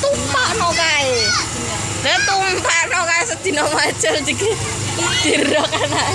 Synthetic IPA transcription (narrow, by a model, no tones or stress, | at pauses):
t̪umpaʔnokae | d̪ət̪umpaʔnokaesəd̪̥inɔmat͡ʃəld͡ʒiki | d̪̥iɾɔkana